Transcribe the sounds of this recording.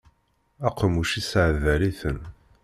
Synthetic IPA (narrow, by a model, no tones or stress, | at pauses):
æqəmuʃisʕðæɾiθən